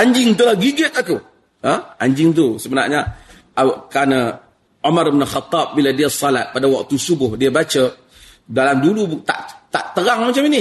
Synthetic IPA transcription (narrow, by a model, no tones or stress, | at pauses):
ʔaɲd͡ʒɪŋt̪̬ulahɡiɡɪt̪aku | əaɲd͡ʒɪŋt̪̬usəməna̰ʔɲa | kɾanə | omaɾbənəlxat̪ˤːɑb̚biladiasːala̰t̪̚padawak̚t̪usubʊhdiəbat͡ʃə | dalamdulut̪a̰ʔt̪aʔt̪əɾaŋmat͡ʃamini